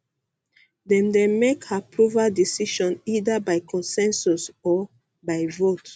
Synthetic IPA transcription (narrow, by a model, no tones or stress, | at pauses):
dɛ̃ndɛmekhapʰɹuvadisiʃɔ̃nidabaɪkʰɔ̃nsɛ̃nsusɔ | baɪvot